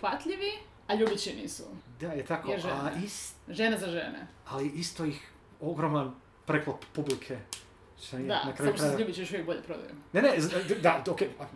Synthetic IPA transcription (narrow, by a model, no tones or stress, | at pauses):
ʋat̪ʎiʋi | aʎubit͡ɕinḭːsṵd̪ajet̪akoeʒaisʒenezaʒḛnḛaliʔist̪oix | o̞ɡɾoman | pɾeklot̪ppublikʰe | ʃt̪onijd̪a̰nakɾaːjuoɾajʎuːbit͡ɕijoʃuʋjek̚boʎepɾod̪a̰jṵnenezd̪aoke